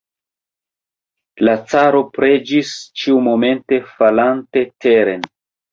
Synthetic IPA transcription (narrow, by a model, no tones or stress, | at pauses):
lat͡saɾo̞pɾe̞d͡ʒist͡ʃiumo̞me̞nte̞falante̞te̞ɾe̞n